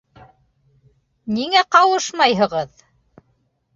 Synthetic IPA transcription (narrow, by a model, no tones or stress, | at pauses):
niŋæqɑwɤʃmɑjɦɤ̆ʁɤð